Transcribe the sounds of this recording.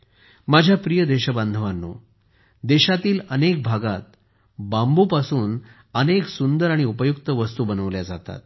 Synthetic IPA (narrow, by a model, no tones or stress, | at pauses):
mad͡ʑʱjapɾijəd̪eɕəband̪ʱəʋanːo̰ | d̪eɕat̪iːlənek̚bʱaɡat̪̚ | bambupasuːn | əneksund̪əɾaɽ̃iupəjuk̚t̪əʋəst̪uːbənəʋljad͡zat̪a̰t̪̚